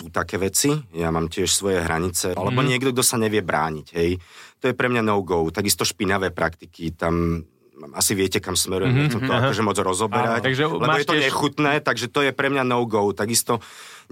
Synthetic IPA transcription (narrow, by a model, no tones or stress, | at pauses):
sut̪akɛːʋɛt͡sijamaːmcɪɛʃsʋɔjɛɦɾaɲit͡sɛʔalɛbɔɲɪɛɡd̪ɔɡ̚d̪ɔsaɲɛʋɪɛbɾa̰ːɲicɦɛjt̪ɔjɛpɾɛmɲanɔʊɡɔʊt̪aɡist̪ɔʃpinaʋɛːpɾʔakt̪ikit̪am | asiʋɪɛcɛkamsmɛɾujɛmɛxt͡sɛmt̪ɔakɔʒɛmɔd͡zɾɔzɔbɛɾacʒlɛbɔjɛt̪ɔɲɛxut̪nɛːt̪aɡʒɛt̪ɔjɛpɾɛmɲanɔʊɡɔʊt̪aɡist̪ɔ